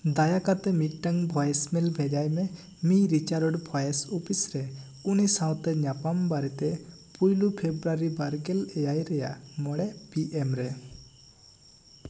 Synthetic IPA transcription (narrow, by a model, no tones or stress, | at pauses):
d̪ajakat̪ɛmiʈʈaŋbʱɔjsmɛlbʱɛd͡ʒajmɛ | miɾit͡ʃaɾɔɖbʰʱɔjesupisɾɛ | unisaw̃t̪ɛɲapambaɾit̪ɛpujlupʰebɾaɾibaɾɡɛlɛjajɾɛja̰mɔɽɛpiʔemɾɛ